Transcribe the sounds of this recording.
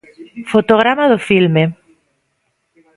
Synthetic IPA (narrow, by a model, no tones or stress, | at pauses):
fot̪oɣ̞ɾamaðofilme